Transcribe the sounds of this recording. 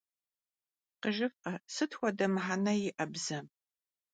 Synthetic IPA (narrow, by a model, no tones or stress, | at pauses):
qəʒɪfqɐsɨtxʷɔdɐmħanɐjɪʔɐbzɐ